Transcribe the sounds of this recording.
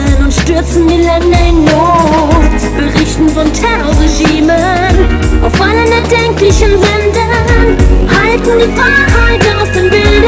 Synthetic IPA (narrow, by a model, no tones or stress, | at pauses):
ʊntʃtʏɐt͡sn̩diːlɛndɐɪnːo | b̥əʁɪçtn̩fɔntʰɛʁoʁeʒiːmə | ʔaʊfʔalənɛɐdɛŋklɪçənvɛndə | haltn̩diːfaɪhaɪtəaʊfd̥eːmbɪld